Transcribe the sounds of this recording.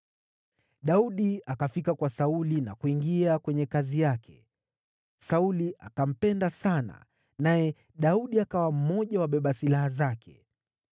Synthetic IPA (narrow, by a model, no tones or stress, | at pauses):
ɗauɗiakafikakwasaulinakuiŋɡiakwɛɲɛkazijakʰɛ̥̰ | sauliʔa̰kam̩pɛndasana̰ | najɛ | ɗauɗiakawam̩mɔʄawaɓɛɓasilahazakʰɛ̥̰